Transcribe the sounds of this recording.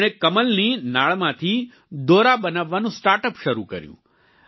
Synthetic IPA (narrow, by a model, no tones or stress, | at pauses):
ɽ̃ekəməlninaɭmãt̪ʰi | d̪oɾabənaʋːanũsʈaːɾʈəpʃəɾukə̰ɾjṵ̃